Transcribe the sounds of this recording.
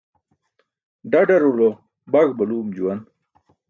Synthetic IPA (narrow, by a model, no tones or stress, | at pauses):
ɖɐɖɐɾulo | bɐɡbɐluːmd͡ʑuwɐn